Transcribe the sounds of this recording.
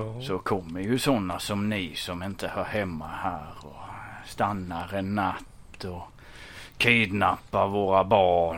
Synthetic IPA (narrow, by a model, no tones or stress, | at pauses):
sɔkʰɔmːəɾjɵsɔnːasɔmnɪsɔmɪnt̪əhɑɾhɛmːahæːɾɔst̪anːaɾɛnːat̪ː | ɔ | kʰiːd̪napːaɾvoːɾabɑː